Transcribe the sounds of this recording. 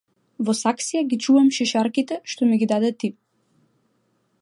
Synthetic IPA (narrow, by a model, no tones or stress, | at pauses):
vɔsaksijaɡit͡ʃuvamʃɛʃaɾkit̪ɛʃt̪ɔmɛɡid̪ad̪ɛt̪i